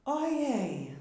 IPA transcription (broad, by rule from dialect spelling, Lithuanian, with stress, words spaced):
oːˈjɛɪ